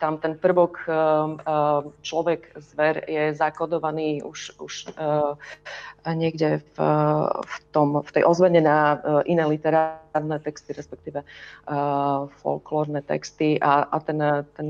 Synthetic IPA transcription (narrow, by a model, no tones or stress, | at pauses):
t̪amt̪ɛnpr̩ʋɔk | t͡ʃlɔʋɛɡzʋɛɾjɛzakɔd̪ɔʋaniːṵʃuʃ | ɲɪɛɡɟɛf | ft̪ɔmft̪ɛjʔɔzʋɛɲɛnaʔinɛlit̪ɛɾaɾnɛt̪ɛkst̪iɾɛspɛk̚t̪iːʋɛ | fɔ̰lklɔːɾnɛt̪ɛ̰kst̪iʔaʔat̪ɛnt̪ɛn